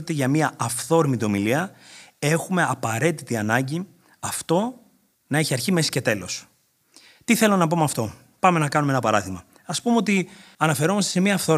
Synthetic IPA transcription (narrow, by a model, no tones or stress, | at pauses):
it̪eʝɐmiɐɐfθo̞ɾmit̪o̞miliɐe̞xume̞ɐpɐɾe̞t̪it̪iɐnɐɲɟi | ɐft̪o̞ | nɐeçiɐɾçime̞si̥ce̞t̪e̞lo̞s | t̪iθe̞lo̞nɐpo̞mɐft̪o̞ | pɐme̞nɐkɐnumeenɐpɐɾɐðimɐ | ɐspumeo̞t̪iɐnɐfe̞ɾo̞mɐst̪e̞se̞miɐːfθo̞ɾ